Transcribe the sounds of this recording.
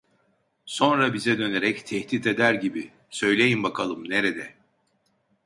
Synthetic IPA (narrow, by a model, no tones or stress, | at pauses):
so̞nɾabizɛd̪ø̞neɾɛct̪ʰɛht̪it̪e̞d̪æɾɟibi | sø̞jlʲe̞jimbakʰalˠɯmneɾed̪ɛ